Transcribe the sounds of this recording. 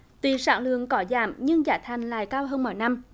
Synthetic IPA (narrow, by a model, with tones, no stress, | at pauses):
t̪wi˨˩sa̰ː˧˥ŋlɨ̰˧˨əŋkɔ˨˦za̰ː˧˩mɲɨ˧ŋzaː˧˩jt̪ʰa˨˩jŋ̟la̰ː˧˨jkaː˧wɦəː˧nmo̰˧˩jna˧m